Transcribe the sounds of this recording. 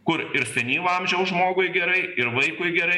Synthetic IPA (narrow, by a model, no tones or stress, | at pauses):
kʊɾɪɾsʲɛnʲiːlɐmʲʒʲɛʊsʒmoːɡʊjɡʲɛɾɐɪɪɾʋɐɪkʊɪɡʲɛɾɐɪ